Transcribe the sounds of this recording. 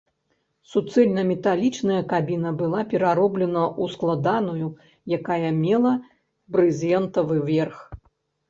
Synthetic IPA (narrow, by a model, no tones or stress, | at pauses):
sut̪sɛlʲnɐmʲɛt̪alʲit͡ʂnɐjɐkabʲinɐbɨlˠapʲɛɾaɾɔblʲɛnɐʔusklˠad̪anuju | jakajɐmʲɛlˠɐ | bɾɨzʲjɛnt̪ɐvɨvʲɛrx